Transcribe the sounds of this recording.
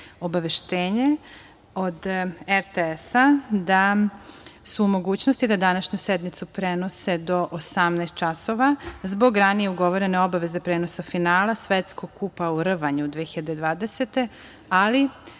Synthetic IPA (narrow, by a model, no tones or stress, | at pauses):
o̞baʋe̞ʃt̪eːɲe | o̞d̪eɾt̪eesad̪a | suːmo̞ɡuːt͡ɕnost̪id̪ad̪anaʃɲused̪mit̪supɾeno̞se̞d̪o̞ʔosamnast̪t͡ʃaso̞ʋazbo̞ɡɾanije̞uɡo̞ʋo̞ɾe̞ne̞o̞baʋe̞ze̞pɾeːno̞safinaːlˠasʋet̪sko̞ɡ̚kupauɾ̩ʋaɲud̪ʋiexiʎad̪ed̪ʋaːd̪ese̞t̪e̞ | ali